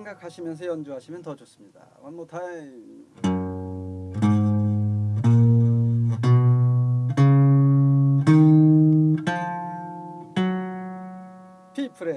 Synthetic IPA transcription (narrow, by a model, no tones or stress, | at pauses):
eŋɡakʰaɕʰimjʌnsʰʌjʌnd͡ʑuɦaɕʰimjʌntʌd͡ʑos͈ɯmɲida̰wanmotʰa | pʰipʰɯɾe